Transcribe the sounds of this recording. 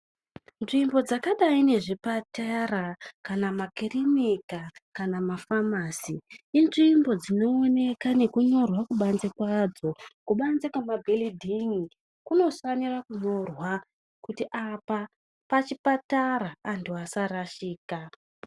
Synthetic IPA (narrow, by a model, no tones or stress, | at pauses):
nʐimbo̞d͡zakaɗaine̞ʐipatarakanamakirimikakanamafamaːsiːnʐimbo̞d͡zino̞ːne̞kane̞kuɲo̞rwakuɓanzekwad͡zo̞kuɓanzekwamabʱelidʱiŋi | kuno̞fanirakuɲo̞rwa | kutiʔapa | pat͡ʃipataɾaːntuasaraʃiːka